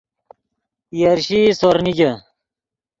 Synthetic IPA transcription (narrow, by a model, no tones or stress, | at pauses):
jɐɾɕisoɾnid͡ʑɐ